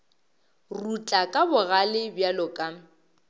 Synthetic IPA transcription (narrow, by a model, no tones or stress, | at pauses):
rut͡ɬʼakʼabʊɣalɪbjalɔkʼa